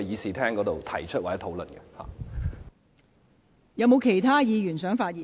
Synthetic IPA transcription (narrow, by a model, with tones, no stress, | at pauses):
jiː˨˧siː˨t̪ʰɛː˥ŋkɔ˨˧˥t̪o˨wt̪ʰɐ˨˩jt͡ʃʰɵ˥t̚waː˨˩ɛː˨˦˥t̪ʰo˨˥wlə̰˨˩nɡɛ˧ha̰ː˨˩ | jɐ˨˧wmo˨˧wkʰe˨˩jt̪ʰaː˥jiː˨˧jyː˨˩nsœː˨˥ŋfaː˧t̚jiː˨